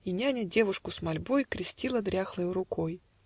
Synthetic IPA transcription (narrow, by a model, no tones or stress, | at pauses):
inʲanʲədʲe̞vʊʂkʊsmɐlʲbojkɾʲɪsʲtʲilˠəd̪ɾʲaxlˠɨjʊɾʊkoj